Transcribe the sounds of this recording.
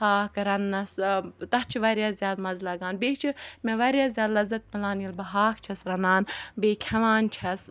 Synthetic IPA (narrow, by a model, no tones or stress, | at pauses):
haːkɾɐnːɐst̪ɐht͡ʃʰiʋɐɾjɐzjaːd̪mɐzlɐɡaːnbeːt͡ʃʰimeʋɐɾʲjaːzzjaːd̪lɐzɐt̪̚mʲɪlaːnjilbɐɦaːkt͡ʃʰɐsɾɐnaːnbeːkʰɐʋaːnt͡ʃʰɐs